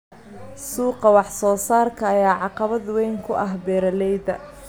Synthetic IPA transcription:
suːqɑwɑħsɔːsaːrkʰɐːjaːʕɑqɑβɐd̪wɛjŋkʰʊʔɐɦbɛːɾɐlɛjd̪ɐ̰

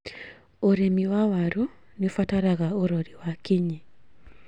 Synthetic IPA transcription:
oɾemiwawaɾunɪfataɾaɣaoɾɔɾiwakiɲe

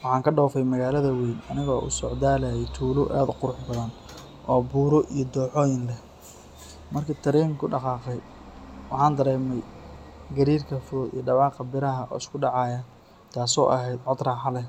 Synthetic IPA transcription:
wɑħɑːŋkʰɐɖɔːfɛjmɐɣaːlɐðɐwinɐnɪɣɔːʔʊ̰sɔʕd̪aːlɐjɛjt̪ʰuːlʊʔa̰ːd̪ʊqʊɾʊħbɐðɐn | ʔɔːbuːɾɔʔijɔd̪ɔːħɔːjɪnlɛ | mɐrkʰɐt̪ʰɐɾɛːmkʰʊɖɑqɑːqɛj | wɑħɑːnd̪ɐɾɛːmɛjɡɐɾiːrkʰɐfʊðʊd̪ḭjɔɖɑβɑːqɐbɪɾɐɦɐʔɔ̰ːɪskʰʊɖɑʕɑːjɐ | t̪ʰaːsɔ̰ːʔɐɦɛjd̪ʕɔd̪raːħɑlɛ

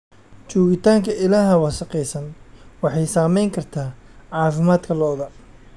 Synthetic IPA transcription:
t͡ʃɔːɣɪt̪ʰaːŋkʰɐɪlaːɦɐwɑːsɐqɛjsɐnwɑħɑjsaːmɛjŋkʰɐrt̪ʰaːʕɑːfɪmaːd̪kʰɐlɔːðɐ

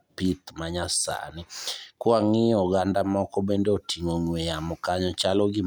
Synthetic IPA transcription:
pit̪maɲasa̰nɪkwaŋiɔɡandamɔkɔbendeotʰiŋoɲwejamɔkaɲɔt͡ʃalɔɡɪ

